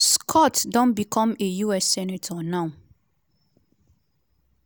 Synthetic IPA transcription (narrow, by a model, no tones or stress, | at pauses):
skʰɔtdɔ̃nbikʰɔ̃mejuɛsːɛnatʰɔnãʊ